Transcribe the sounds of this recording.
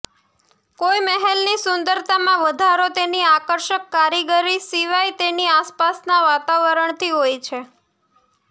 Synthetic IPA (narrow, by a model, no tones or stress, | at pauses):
kojməɦelnisʊnd̪əɾt̪amãʋəd̪ʱaɾot̪eniakəɾʃəkːaɾiɡəɾisiʋajt̪eniaspasnaʋat̪aʋəɾəɳt̪ʰiɦojt͡ʃʰe